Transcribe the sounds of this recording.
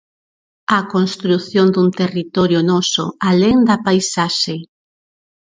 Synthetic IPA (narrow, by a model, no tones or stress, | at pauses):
ɐkonst̪ɾuθjond̪unt̪erit̪ɔɾjʊnɔsʊ̰aleŋd̪ɐpajsaʃe